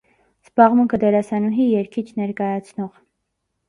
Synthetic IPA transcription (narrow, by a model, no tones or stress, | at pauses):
z̥bɑʁmuŋkʰəd̪ɛɾɑsɑnuɦijɛɾkʰit͡ʃʰnɛɾkɑjɑt͡sʰnɔʁ